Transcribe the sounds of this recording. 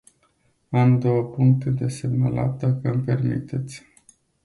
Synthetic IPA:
amd̪o̞wəpuŋk̚t̪ed̪e̞se̞mnəlʔa̰t̪̚d̪akəmpe̞rmḭt̪e̞t̪sʲ

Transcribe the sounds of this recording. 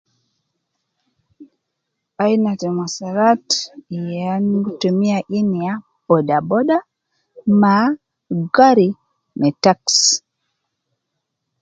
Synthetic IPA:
ajnatɛmwasaɾatijanɡtomiaʔinia | b̥ɔdabɔɗa | ma | ɡaɾi | mɛtaks

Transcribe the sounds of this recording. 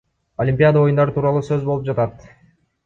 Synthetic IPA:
olʲimʲpʲijad̪əo̞jund̪ɑɾɯt̪ʰuːɾɑlˠuːsøzbo̞lˠup̚d͡ʒɑt̪ɑt̪

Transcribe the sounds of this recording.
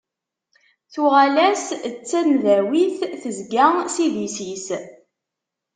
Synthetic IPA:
θuʁælæst͡sːænðæwiθθəzɡæsiðisis

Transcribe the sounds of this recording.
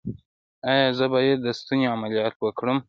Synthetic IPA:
ɑjɑzəbɑjed̪ːəst̪uneamalijɑt̪wəkɽəm

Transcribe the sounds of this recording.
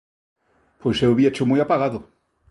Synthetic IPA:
pojsewβiat͡ʃomujapaɣaðʊ

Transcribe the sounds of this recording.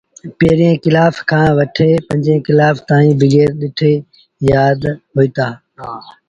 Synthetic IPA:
piɾijẽkɪlaːfkʰãːʋɐʈʰeːpɐ̃ɲd͡ʒẽkɪlaːft̪ãːĩːbʱɪɡeːɾɗɪʈʰeː | jaːd̪ɦoːiːt̪aː

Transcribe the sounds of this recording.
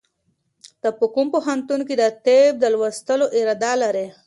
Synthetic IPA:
d̪̥əpəkumpoɦant̪unked̪ət̪eb̚d̪əlwast̪əloʔɪɾɑd̪ɑlaɾe

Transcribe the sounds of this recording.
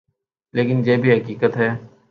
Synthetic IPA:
leːkɪnd͡ʒeːbʱiɦɐkiːkət̪ɦɛː

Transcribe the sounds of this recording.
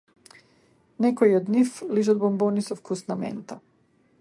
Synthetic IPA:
nɛkɔiɔd̪nifliʒɔd̪̚bɔmbɔnisɔfkʰusnamɛ̰nt̪a

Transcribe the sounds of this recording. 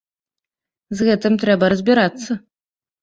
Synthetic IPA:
zɣɛt̪ɨmt̪ɾɛbɐɾɐzʲbʲiɾat̪sːɐ

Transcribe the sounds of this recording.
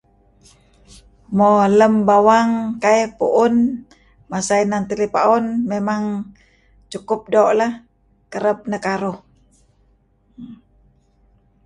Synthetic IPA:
mɔləmbawaŋkaepṵʔʊn | masainant̪ilipaunmemaŋ | t͡ʃukup̚doʔla | kəɾəp̚nəkaɾuh

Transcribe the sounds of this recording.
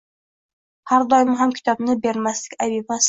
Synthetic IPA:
haɾd̪ɒjɪmɪɦamkʲʰɪ̥t̪ʰɒbnɪbe̞ɾmaslɪkʲajbepmas

